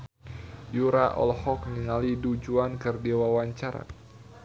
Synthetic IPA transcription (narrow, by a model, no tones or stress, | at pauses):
juɾaʔɔ̰lhɔk̚niŋalidud͡ʒuankɨrdewawaɲt͡ʃaɾa̰